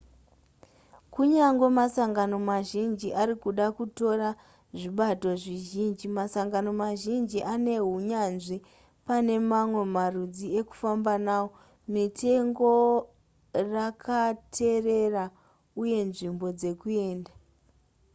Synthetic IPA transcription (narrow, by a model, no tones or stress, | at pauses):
kuɲaŋɡe̞masaŋɡano̞maʒind͡ʒiʔaɾikuɗakuto̞ra | ʐiɓato̞ʐiʒind͡ʒimasaŋɡano̞maʒind͡ʒiʔane̞ɦuɲanʐi | pane̞mamwe̞marud͡zie̞ku̥fambanawo̞ | mitʰe̞ŋɡo̞ | rakʰatʰe̞re̞ra | uje̞nʐimbo̞d͡ze̞kue̞ːnda